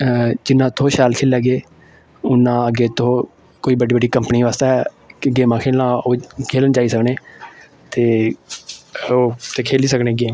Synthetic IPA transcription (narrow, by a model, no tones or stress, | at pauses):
d͡ʒɪnːãːt̪ʰoːʃaːlkʰeːlaːɡeː | ʊnːãːəɡeːt̪ʰoː | koːiːbəɖiːbəɖiːkəmpniːʋaːst̪aɛː | kɪɡeːmãːkʰeːlãːoːkʰeːlənd͡ʒaːiːsəkneː | t̪eː | oːt̪eːkʰeːliːsəkneːɡeː